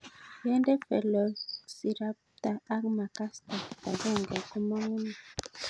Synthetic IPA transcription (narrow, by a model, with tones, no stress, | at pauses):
jɛ˦ndɛ˦pɛ̰˨lɔ˨si˨ɾa˦p | t̪a˨a˦kma˨ka˦st̪a˨kta˨ɡɛ˦˨ŋɡa˨ku˦mɔ˦ŋu˦na˨